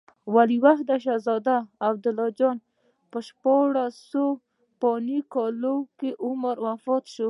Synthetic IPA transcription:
waliwaxd̪aʃ̬azɑd̪aːb̚d̪ʊlɔd͡ʒɔn | pəʃpɑɽaso | pɔnikɔlokeʔʊmaɾwafɔt̪ʃo

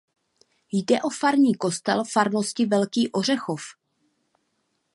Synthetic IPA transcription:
jdɛʔo̞faɾɲiːko̞st̪ɛlfaɾno̞scɪvɛlkiːʔo̞r̝ɛxo̞f

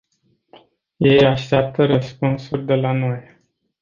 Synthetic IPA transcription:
je̞jaʃt̪eap̚t̪əɾəspunsurʲd̪e̞lanoj

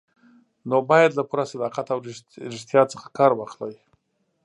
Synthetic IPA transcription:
nobɑjad̪lapuɾasalɑqat̪awɾɪ | ɾɪʃt̪jɑt͡sə̥xḁkɑɾwɑxlaj

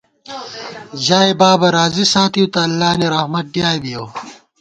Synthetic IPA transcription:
ʑaːebaːbɐɾaːzisaːt̪ʰijut̪ɐːlːaːniɾɐhmɐt̪̚ɖjaːjbijow

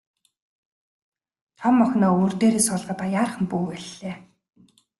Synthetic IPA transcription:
t̪ʰɔmːɔxʲnɔːurt̪eːɾeːsʊɮʁə̆t̪ajaːrχə̆mpuːwæɮːeː

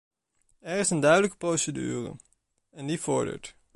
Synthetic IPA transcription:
ɛɹɪsəndœɥdələkə̥prowsədy̰ːrə̰ | ɛndiv̥ʊɹdə̰ɹt

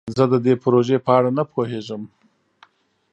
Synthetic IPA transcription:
zəd̪əd̪epɾoʒepəaɽanapʰoɦeʒəm

